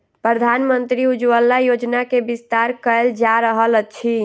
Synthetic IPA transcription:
pɾəd̪ʱanmənt̪ɾiud͡ʒwəlːajod͡ʒnakebist̪aɾkəeld͡ʒaɾəɦələt͡ʃʰi

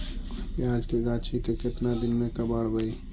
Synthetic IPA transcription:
iaːd͡ʒkeɡaːt͡ʃʰikekɪt̪nad̪ɪnmẽkəbaɽbəi

